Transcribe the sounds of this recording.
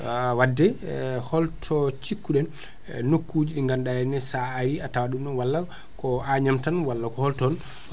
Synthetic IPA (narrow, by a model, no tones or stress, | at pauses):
wadːɛhɔltʰɔt͡ʃikːuɗɛnː | okːuːd͡ʒiɗiŋɡandajɛnɛsaːɾiatawaɗumɗɔnwalːa | kɔaɲamtanwalːakɔhɔltɔn